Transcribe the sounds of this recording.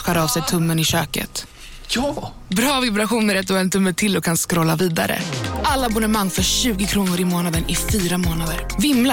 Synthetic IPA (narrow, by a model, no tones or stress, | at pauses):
ɧaɾaːvsɛjt̪ʰɵmːənɪɕøːkə̰t̪ | bɾɑːvɪbɾaɧuːnəɾat̪̚d̪ɵɛnt̪ʰɵmːətʰɪlɔkʰːanskɾɔlːaviːd̪a̰ɾə̰ʔalːabɔnɛmaŋːfœʂʉ̟ːɡɪkʰɾuːnʊɾɪmoːnad̪ənɪfyːɾamoːnad̪əɾvɪmːla